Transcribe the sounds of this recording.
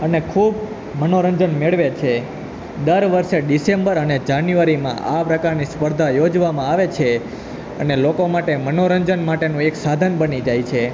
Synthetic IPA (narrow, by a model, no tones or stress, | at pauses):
ənekʰub | mənoɾəɲd͡ʒənmeɭʋet͡ʃʰe | d̪əɾʋəɾʃeɖisembəɾəned͡ʒanjuʋaɾimã̰ʔapɾəkaɾnispəɾd̪ʱajod͡ʒʋamãaʋet͡ʃʰe | ənelokomaʈemənoɾəɲd͡ʒənmaʈenũeksad̪ʱənbənid͡ʒajt͡ʃʰe